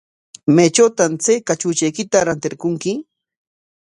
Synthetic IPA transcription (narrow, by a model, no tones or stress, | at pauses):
mejt͡ʃawt̪amt͡sejkat͡ʃʊːt͡ʃajkɪt̪aɾant̪ɪɾkʊŋkɪ